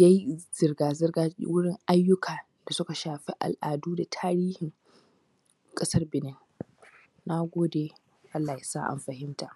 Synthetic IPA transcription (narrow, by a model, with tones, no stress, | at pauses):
ja˦ji˦z̥ɪ˨rɡaː˨zɪ˦rɡa̰˦wʊ˦ɽɪ˦ŋʔa˦jːʊ˦kʰaː˨ | d̥a˨sʊ˦ka˨ʃaː˨ɸi˦ʔa̰˨lʔa̰ː˨duː˦da˨tʰaː˦ɾiː˦hɪ˨ŋ | kʼɐ˦sɐ˦rbɪ˨nɪ˦ŋ | na˦ɡʷoː˦deː˨ | ʔa˦lːaː˨ja˨sa̰ː˦˨ʔa̰˨mɸɐ˨hɪ˦mta˨ʔ